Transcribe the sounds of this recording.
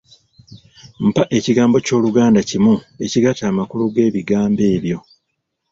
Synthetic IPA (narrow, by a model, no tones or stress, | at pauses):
m̩paʔe̞ciɡaːmbo̞co̞ːluɡaːndacimue̞ciɡataːmakuluɡe̞ːβiɡaːmbe̞ːβjo̞